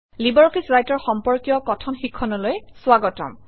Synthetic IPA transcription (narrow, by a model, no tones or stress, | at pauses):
libɔɹpʰisɹajtɔɹxɔmpɔɹkijɔkɔtʰɔnxikʰːɔnɔlojswaɡɔtɔ̰m